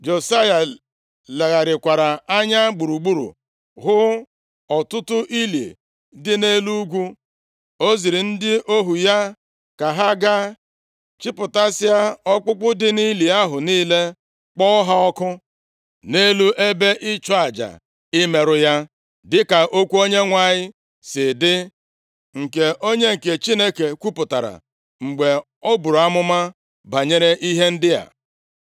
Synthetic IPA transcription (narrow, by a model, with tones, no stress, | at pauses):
d͡ʒo˨sa˦ja˨ | le˨ɣa˨ɾɪ˨kʷa˨ɾa˨a˦ɲa˦ɡ͡bu˨ɾu˨ɡ͡bu˦ɾṵ˨ | ɣʊ˦ | ɔ˨tʊ˦tʊ˦ʔi˦lḛ˨ | dɪ˦ne˦lu˦ɡʷu˦ | o˦zi˨ɾi˨n̩˦dɪ˦ʔo˦ɦu˨ja˦ | ka˨ɦa˦ɡa˦ | t͡ʃi˦pʊ˨ta˦sɪ˦a˦ɔ˦k͡pʊ˦k͡pʊ˦dɪ˦ni˦li˨a˦ɦʊ˨niː˦le˦ | k͡pɔ˦ɦa˦ɔ˦kʊ˦ | ne˦lu˦ʔe˦be˦ʔɪ˦t͡ʃɔ˦a˨d͡ʒa̰˨ | ɪ˦me˨ɾʊ˦ja˦ | dɪ˦ka˨ʔo˦kʷu˦o˦ɲe˦ŋʷa˨ɲɪ˦ | sɪ˨dɪ˦ | ŋ̩˨ke˨ʔo˦ɲe˦ŋ̩˨ke˨t͡ʃi˦ne˦ke˨kʷu˦pʊ˨ta˨ɾa̰˨ | ŋ͡m̩˨ɡ͡be˨ | ɔ˦bʊ˨ɾo˨a˦mʊ˦ma˦ | ba˨ɲe˦ɾe˦ʔi˦ɦe˦n̩˦dɪ˦ja̰˨